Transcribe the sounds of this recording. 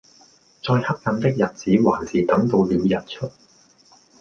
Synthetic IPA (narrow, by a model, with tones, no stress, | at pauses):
t͡sɔː˧jhɐ˥k̚jɐ˧nt̪ɪ˥k̚jɐ˨t̚t͡siː˨˥waː˨˩nsiː˨t̪ɐ˨˥ŋt̪o˧wliː˨˧wjɐ˨˩t̚t͡ʃʰɵ˥t̚